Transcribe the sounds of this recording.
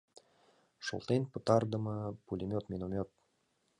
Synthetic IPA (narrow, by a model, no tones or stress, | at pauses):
ʃo̰lˠt̪enpɤ̆t̪ɑrd̪ə̆mɤpulʲimʲot̪mʲinomʲot̪̚